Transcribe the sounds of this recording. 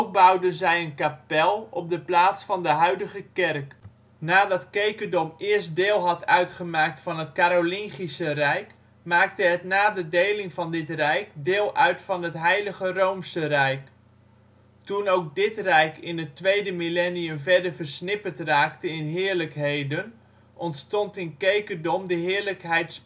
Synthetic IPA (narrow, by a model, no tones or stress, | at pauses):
ok̚bʌwdənzɛjənkapɛlˠɔb̚dəplaːtsfɑndəɦœɥdəχəkɛrk | naːdɑtkejkədɔmɪːɹstdɪːlˠɦɑtœɥtχəmaːk̚tfɑnɦətkaɾolɪŋχisərɛjk | maːk̚təɦətnaːdədejlɪŋvɑndɪtrɛjkdɪːlˠœɥtfɑnətɦɛjləχərowmsərɛjk | tunowk̚dɪtrɛjkɪnətʋejdəmilɛnijəmvɛɹdəɹvəɹsnɪpəɹtraːktəɪnɦɪːɹləkɦejdən | ʔɔntstɔntɪnkejkədɔmdəɦɪːɹləkɦɛjts